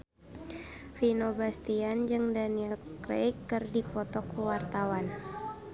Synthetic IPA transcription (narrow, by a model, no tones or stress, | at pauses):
finobast̪iand͡ʒɨŋdaniɛlkɾḛikːɨrdipɔt̪ɔkːuwart̪awan